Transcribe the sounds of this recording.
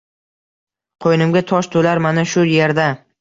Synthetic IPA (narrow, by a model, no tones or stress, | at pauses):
qʰojnɪmɡʲat̪ʰɒʃt̪ʰolaɾmanaʃʊje̞ɾd̪a